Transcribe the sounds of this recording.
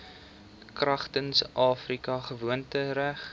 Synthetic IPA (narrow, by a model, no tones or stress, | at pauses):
krɐχtənsʔɑːfrikɐχəvuəntəɾæχ